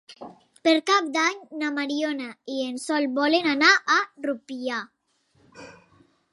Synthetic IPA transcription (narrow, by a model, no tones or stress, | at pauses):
peɾkap̚d̪aɲnamaɾionaiensɔlbɔlenanaʔarupia